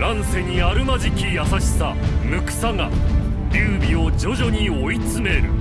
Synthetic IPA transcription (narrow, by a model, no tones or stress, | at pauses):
ɾãɰ̃se̞ɲ̟iaɾɯ̟maʑikʲijasaɕi̥samɯ̟kɯ̟̥saŋa | jʲɨːbʲio̞d͡ʑo̞ʑo̞ɲ̟io̞it͡sɨme̞ɾɯ̟